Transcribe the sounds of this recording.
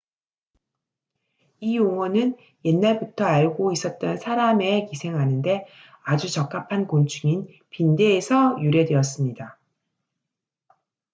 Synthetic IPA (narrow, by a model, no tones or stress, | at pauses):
ijoŋwʌnɯn | je̞nːaɭbutʰʌaɭɡois͈ʌt̚t͈ʌnsʰaɾame̞kisʰe̞ŋɦanɯnde̞ | ad͡ʑut͡ɕʌk͈̚apʰankont͡ɕʰuŋin | pinde̞ːsʰʌjuɾje̞dwe̞ʌs͈ɯmɲida